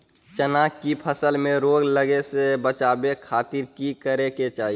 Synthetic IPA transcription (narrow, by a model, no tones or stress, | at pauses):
t͡ʃənakipʰəsəlmẽɾoːɡləɡesebət͡ʃaːbekʰaːt̪ɪɾkikəɾeket͡ʃaːɦi